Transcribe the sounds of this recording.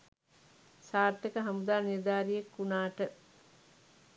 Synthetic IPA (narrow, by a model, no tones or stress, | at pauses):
saːɾt̪ekəɦamud̪aːnid̪aːɾiekːunaːʈə